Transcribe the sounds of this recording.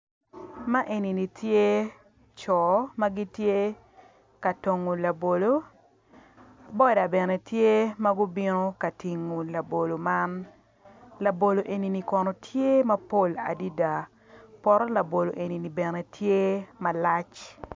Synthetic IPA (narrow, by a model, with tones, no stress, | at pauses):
ma˦ʔe˨ni˨ni˨tje˦ | t͡ʃɔ˨ma˦ɡi˦tje˦ | ka˨to˨ŋo˨la˨bo˨lo˨ | bɔ˦da˨bɛ˨nɛ˨tje˦ma˦ɡʊ˦bi˦no˦ka˨ti˨ŋːo˨la˨bo˨lo˨ma˦n | la˨bo˨lo˨ʔe˨ni˨ni˨kɔ˨nɔ˨tʰje˦mɐ˦po˦la̰˨di˦da˨ | pɔ˨ɾɔ˦la˨bo˨lo˨ʔe˨ni˨ni˨bɛ˨nɛ˨tʰje˦ma˨la˦t͡ʃ